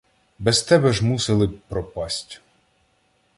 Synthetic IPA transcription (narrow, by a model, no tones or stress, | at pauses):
bɛst̪ɛbɛʒmuselˠɪpɾɔpɑsʲtʲ